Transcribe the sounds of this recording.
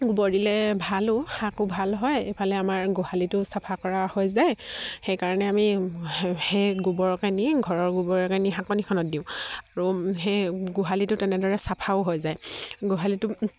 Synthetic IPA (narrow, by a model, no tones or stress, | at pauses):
ɡubɔdilɛbʱalʊhakʊbʱalɦɔjejpʰalɛamaɹɡohalitʊsapʰakɔɹahojzajxejkaɹɔnɛami | xejɡubɔɹkaniɡʱɔɹɔɹɡubɔɹɔkaniɦãkɔnikʰɔnɔt̚diʊ̃aɹuɦejɡuɦalitʊtɛnɛdɔɹɛsapʰaʊɦojzajɡoɦalitʊ